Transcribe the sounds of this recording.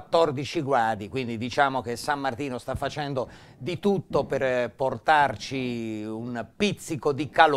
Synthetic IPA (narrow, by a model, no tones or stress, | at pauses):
t̪ːɔrd̪it͡ʃiɡɾaːd̪ikwind̪id̪it͡ʃaːmokesamːart̪iːnost̪afːat͡ʃɛnd̪o | d̪it̪ut̪ːoperport̪art͡ʃiunpit̪sːikod̪ikal